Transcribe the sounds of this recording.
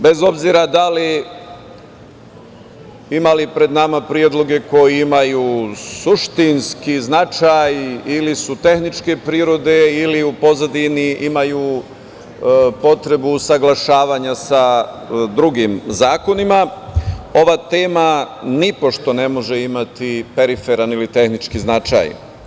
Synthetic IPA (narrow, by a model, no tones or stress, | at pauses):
be̞zo̞bziɾad̪ali | imalipɾe̞d̪namapɾie̞d̪lˠo̞ɡe̞ko̞jiimajuːsuʃt̪inskiznat͡ʃajilisut̪e̞xnit͡ʃke̞pɾiːɾo̞d̪e̞iliupo̞zad̪iniimajuː | po̞t̪ɾe̞busaɡlˠaʃaːʋaɲasa | d̪ɾuɡimzaːko̞nima | o̞ʋat̪eːmanipo̞ʃt̪o̞ne̞mo̞ʒeimat̪ipeɾifeɾanilit̪e̞xnit͡ʃkiznat͡ʃa̰j